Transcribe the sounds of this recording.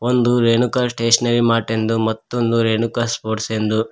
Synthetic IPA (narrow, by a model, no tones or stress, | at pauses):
ond̪uɾenukaːsʈeːʂɐnɐɾimaːʈend̪umɐt̪ːond̪uɾeːnukaːspoːʈsend̪u